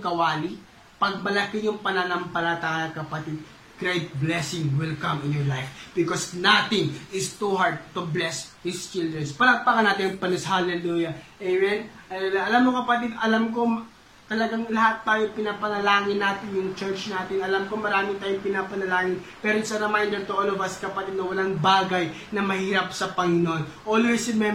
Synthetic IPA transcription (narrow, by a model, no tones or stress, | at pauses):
kɐwaːli | pɐɡ̚mɐlɐkɪjʊŋpɐnɐnɐmpɐlɐt̪aɐnɐkɐpɐt̪ɪd̪̚ | ɡ̥ɾejt̪̚blɛsɪŋwɪlkɐmɪnjɔɹlajfbɪkosnat̪ɪŋɪst̪uɦaɹd̪̚t̪ʊblɛsd̪ist͡ʃɪld̪ɹɛnspɐlɐmpakɐnaːt̪ɪnɐŋpɐnɪshalɛluːjɐʔɛjmɛnʔɐlɛlaɐlamːokɐpɐt̪ɪd̪ʔɐlamko̞ | t̪ɐlɐɡaŋlɐɦat̪ːaːjoŋpɪnapɐnɐlaːŋɪnːaːt̪ɪnjʊŋt͡ʃɛɹt͡ʃnaːt̪ɪnɐlamkomɐɾaːmɪt̪aːjoŋpɪnapɐnɐlaːŋɪn | pɛːɾojsɐɾɐmajnd̪ɛɾt̪oʔolovɐskɐpɐt̪id̪̚nɐwɐlaŋbaːɡɐj | nɐmɐhiːɾɐp̚sɐpɐŋɪnoʔonʔoːlvɛsɪmɛ